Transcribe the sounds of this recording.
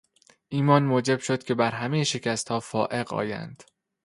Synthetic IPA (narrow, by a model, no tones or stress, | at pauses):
ʔiːmɒːnmoːd͡ʒe̞b̥ʃo̞d̪̥cʰʲe̞bæɾɦæmejeʃe̞cʰæst̪hɒːfɒːʔe̞ɢɒ̰ːjæ̰nd̪̥